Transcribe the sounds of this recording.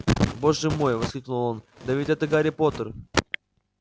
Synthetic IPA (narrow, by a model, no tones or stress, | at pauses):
bo̞ʐɨmo̞jvɐskʲlʲiknulˠo̞n | d̪ɐvʲit̪ʲɛt̪əɡaɾʲɪpo̞t̪ər